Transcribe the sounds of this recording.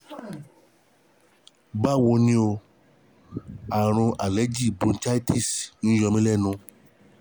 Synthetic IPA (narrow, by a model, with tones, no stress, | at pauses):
ba˦wo˧nĩ˧˦o˧ | a˨ɾ̃ũ˧ʔa˨lɛ˨˦d͡ʒi˦˨bũ˨˧n̩˦t͡ʃa˦i˦tʰi˦˨sn̩˦jɔ˧mĩ˦lɛ˦˨nũ˧